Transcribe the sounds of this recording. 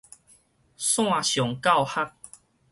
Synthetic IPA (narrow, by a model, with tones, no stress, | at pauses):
sw̃ã˥˨˧ɕjɔ˨˩ŋka˥˧˨wha˦˥k̚